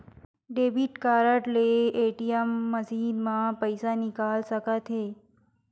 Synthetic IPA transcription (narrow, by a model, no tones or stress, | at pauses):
ɖebʱiʈkaɾəʈleʔeʈiemːəzid̪mãpəjsanikalsəkat̪ʰɦe